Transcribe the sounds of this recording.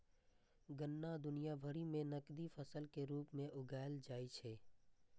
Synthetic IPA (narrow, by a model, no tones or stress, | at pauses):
ɡənːad̪ʊnijabʱəɾimẽnɐkd̪ifəsəlkeɾuːpmẽʔʊɡaːɪld͡ʒaːit͡ʃʰeː